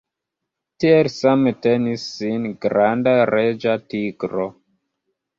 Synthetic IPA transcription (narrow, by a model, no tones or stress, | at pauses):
tielsamete̞nisːinɡɾandaɾed͡ʒatiɡɾo